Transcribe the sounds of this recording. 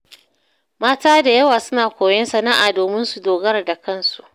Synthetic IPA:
maː˦taː˦da˨jɐ˦waː˨sʊ˦naː˨kʷoː˨jɛ˦nsɐ˨na˦ʔaː˨doː˨mɪ˦nsu˨doː˨ɡɐ˦rda˨kɐ˦˨nsu̥˨ʔ

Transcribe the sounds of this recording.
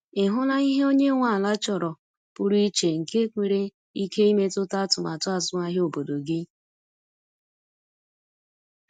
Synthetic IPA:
ɪ˨ɦʊ˦la˦i˦ɦe˦o˦ɲe˦ŋʷa˦˨la˦t͡ʃɔ˨ɾɔ˨ | pʊ˦ɾi˦t͡ʃe˨ŋ̩˨ke˦kʷe˨ɾe˦ | i˦ke˦i˦me˦tʊ˦ta˦tʊ˨ma˨tʊ˦a˦˨zʊ˦ŋa˦ɦe˦o˨bo˨do˨ɡɪ˦

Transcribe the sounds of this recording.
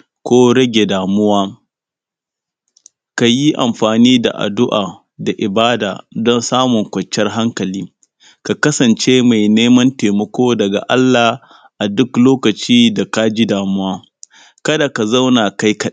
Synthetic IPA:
kʷoː˦ɽɐ˦ɡʲe˨daː˨mʊ˦waː˦ | ka˨ji˦ʔa̰˨mɸaː˨niː˦da̰˨ʔa̰˨dʊ˦ʔa̰ː˨ | da˨ʔɪ˨baː˦da̰ː˨dɔ˦nsaː˦mʊ˨ŋkʷɐ˨t͡ʃːɐ˦rɦa˦ŋkɐ˨liː˦ | ka˨kɐ˦sɐ˨nt͡ʃe˦ma˨jneː˦mɐ˦nteː˨mɐ˨kʷoː˦dɐ˨ɡa̰˨ʔa˦lːaː˨ | ʔa˨dʊ˦kloː˦kɐ˨t͡ʃiː˦da˨ka˦d͡ʒi˦daː˨mʊ˦waː˦ | kɐ˦da˨ka˨zɐ˦wnaː˨ka˦jkɐ˦

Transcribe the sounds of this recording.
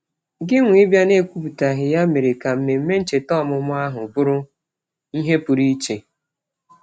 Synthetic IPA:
ɡɪ˦ŋʷ˦ɪ˦bja˦ne˦˨kʷu˦pu˨ta˨ɦɪ˨ja˦me˨ɾɪ˨ka˨m̩˦me˨m̩˦me˦n̩˦t͡ʃe˨tɔ˦˨mʊ˨mʊ˦a˦ɦʊ˨bʊ˦ɾʊ˦ | i˦ɦe˦pʊ˨ɾi˦t͡ʃe˨

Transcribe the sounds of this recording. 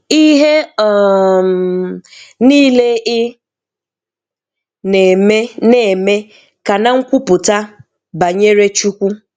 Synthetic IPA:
i˦ɦe˦ɔ˨m˨ | niː˦le˦ɪ˦ | ne˨me˦ne˨me˦ | ka˨na˦ŋ̩˦kʷu˦pʊ˨ta˦ | ba˨ɲe˦ɾe˦t͡ʃu˦kʷu˦

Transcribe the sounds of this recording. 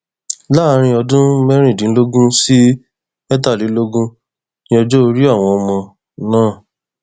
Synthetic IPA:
la˦˨˧ɾ̃ĩ˧ɔ˧dũ˦mɛ˦ɾ̃ĩ˦˨dĩ˨˦lo˦ɡũ˦si˦ | ɛ˦t̬a˦˨li˨˦lo˦ɡũ˦ | nĩ˦ɔ˧d͡ʒo˦o˧ɾi˦a˦˨w̃ɔ̃˧ɔ˧mɔ̃˧ | nãː˦˨

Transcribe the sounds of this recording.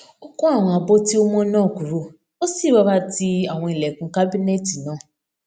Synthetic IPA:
o˦kũ˦a˦˨w̃ɔ̃˨a˨bo˦ti˦o˦m˦ɔ̃˦nɔ̃ː˦˨ku˨ɾo˨ | o˦si˦˨ɾɔ˦ba˦ti˦a˨w̃ɔ̃˧˨i˨lɛ˨kũ˨˦ka˦bi˦ne˦ti˨nãː˦˨

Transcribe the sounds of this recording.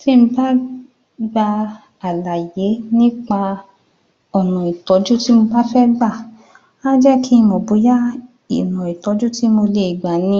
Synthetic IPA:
ti˦m̩̃˦ba˦ | ɡ͡ba˧ | a˨la˨je˨˦nĩ˦k͡pa˧ | ɔ˨nɔ̃˨i˨tɔ˨˦d͡ʒu˦ti˦mo˧ba˦fɛ˦ɡ͡ba˦˨ | a˦d͡ʒɛ˦ki˦˧mo˨bo˨˦ja˦ | ḭ˨nɔ̃˨i˨tɔ˨˦d͡ʒu˦ti˦mo˧le˧i˨ɡ͡ba˨nĩ˧˦

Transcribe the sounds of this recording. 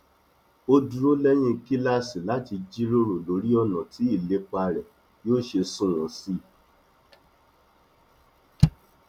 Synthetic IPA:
o˦du˦ɾo˦lɛ˦j̃ĩ˦ki˦la˦si˨la˨˦ti˧d͡ʒi˦ɾo˦ɾo˨lo˨˦ɾi˦ɔ˧nã˨tʰi˨˦i˦˨le˨˦k͡pa˧ɾɛ˨ | joː˦˨ʃe˧sũ˦˨w̃ɔ̃˨si˦

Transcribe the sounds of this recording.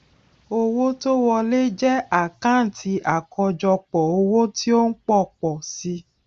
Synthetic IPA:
o˧wo˦to˦wɔ˧le˦d͡ʒɛ˦a˦˨kã˨˦˨n̩˨tʰi˧˦ʔa˨kʰɔ˧d͡ʒɔ˧k͡pɔ˨o˧wo˦ti˦o˦n̩˦k͡pɔ˦˨k͡pɔ˨si˧˦

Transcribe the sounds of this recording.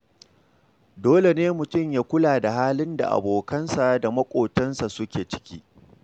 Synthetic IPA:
doː˦le˨neː˦mʊ˨tʊ˦˨ɲjaː˦kʷʊ˦laː˨da˨ɦaː˦lɪ˦nda̰˨ʔa̰˨boː˨kɐ˦nsa˨da˨mɐ˦kʷʼoː˨tɐ˦nsa˨sʊ˦kʲeː˨t͡ʃɪ̥˦kʲiː˦

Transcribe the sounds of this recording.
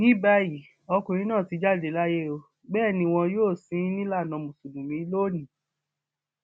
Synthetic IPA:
nĩ˨˦ba˧ji˨ | ɔ˧kũ˨ɾĩ˨˦nãː˦˨ti˧d͡ʒa˦˨de˨˦la˦je˦o˧ | bɛː˦˨nĩ˧w̃ɔ̃˧joː˦˨sĩ˨˦nĩ˦la˦˨nã˨˧mũ˨su˨dũ˨mĩ˨˦lo˦˨nĩ˨

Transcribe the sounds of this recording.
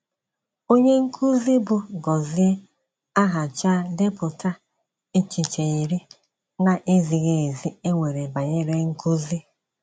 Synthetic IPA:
o˦ɲe˦ŋ̩˦kʰu˦zi˦bʊ˨ɡɔ˨zi˦e˦ | a˦ɦa˨t͡ʃa˦de˦pʊ˨ta˦ | e˦t͡ʃi˨t͡ʃe˨i˨ɾi˦ | na˦ʔe˦zi˨ɣe˦˨e˨zi˦e˦ŋʷe˨ɾe˨ba˨ɲe˦ɾe˦ŋ̩˦ku˦zi˦

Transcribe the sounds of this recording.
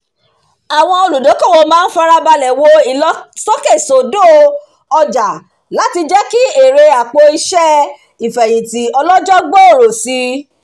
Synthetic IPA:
a˨w̃ɔ̃˧o˧lu˨do˨˦ko˦˨wo˧mãː˦n̩˦fa˦ɾa˧ba˧lɛ˨wo˧i˨ɔ˦sɔ˦ke˦˨so˨do˦˨ | ɔ˧d͡ʒa˨ | la˨˦ti˧d͡ʒɛ˦ki˦e˦˨ɾe˧a˨k͡po˧i˧ʃɛ˦ | i˨fɛ˨j̃ĩ˨ti˨˦ɔ˧lɔ˦d͡ʒɔ˦ɡ͡bo˦o˦˨ɾo˨si˧˦

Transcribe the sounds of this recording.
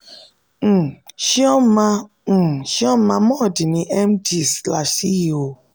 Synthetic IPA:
ʃi˦ɔ˦mã˧˨ | ʃi˦ɔ˦mã˧mɔ̃˦˨di˨nĩ˧ʔɛ˦m˦di˦˨sla˨ʃi˦i˨o˨

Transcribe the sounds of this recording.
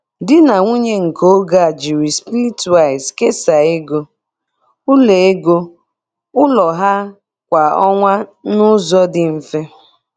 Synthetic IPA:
dɪ˦na˨ŋʷu˦ɲe˦ŋ̩˨ko˦ɡa˦˨a˨d͡ʒi˨ɾi˨spi˦ɾi˦tu˨a˨ɪ˨ske˦sa˨e˦ɡo˦ | ʊ˦le˨e˦ɡo˦ | ʊ˦lɔ˨ɦa˦ | kʷa˨ɔ˦ŋʷa˦nʊ˦zɔ˦dɪ˨m̩˨fe˦

